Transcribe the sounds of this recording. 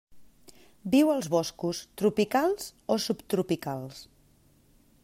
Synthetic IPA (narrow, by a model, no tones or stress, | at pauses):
biwəlˠzβɔskust̪ɾupikalˠz̥osupt̪ɾupikalˠs